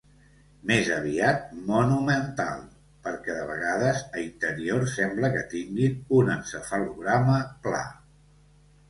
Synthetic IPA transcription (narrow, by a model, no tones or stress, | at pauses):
mezəβ̞iat̪̚munumənt̪a̰lˠ | pəɾkɛðəβ̞əɣ̞aðəzəint̪əɾioɾsɛmbləkət̪iŋɡinunənsəfaluɣɾaməpla̰